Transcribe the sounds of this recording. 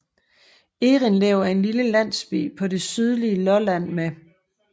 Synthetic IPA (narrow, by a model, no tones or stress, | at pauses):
e̝ːʁinlɛʊ̰æɐe̝nliləlæn̰sb̥ḭːpʰɒ̽de̝syð̞ˠliəlɒ̽læn̰mæ